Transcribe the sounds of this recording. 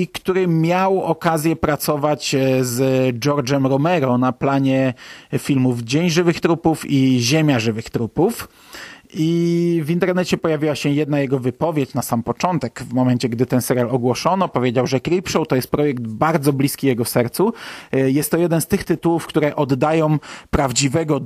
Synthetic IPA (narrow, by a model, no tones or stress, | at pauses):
ikt̪uɾɘmʲjawɔkazʲjɛpɾat̪sɔvat͡ɕzd͡ʒɔɾd͡ʐɛmɾɔmɛɾɔnaplaɲɛfʲilmuvd͡ʑeɲʐɘvɘxt̪ɾupufiʑemʲjaʐɘvɘxt̪ɾupuf | ʔivint̪ɛɾnɛt͡ɕɛpɔjavʲiwaɕɛjɛd̪najɛɡɔvɘpɔvʲjet͡ɕnasampɔt͡ʂɔnt̪ɛkvmɔmɛnt͡ɕɛɡd̪ɘt̪ɛnsɛɾʲjalɔɡwɔʂɔnɔpɔvʲjed͡ʑawʐɛkɾipʂɔwt̪ɔjɛst̪̚pɾɔjɛɡ̚d̪baɾd̪zɔblʲiskʲijɛɡɔsɛɾt̪sujɛst̪ːɔjɛd̪ɛnst̪ɘxt̪ɘt̪uwufkt̪uɾɛʔɔd̪ːajɔ̃w̃pɾavd͡ʑivɛɡɔ